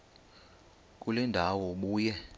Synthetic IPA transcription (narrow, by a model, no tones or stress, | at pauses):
kʼulɛndʱawɔɓuːjɛ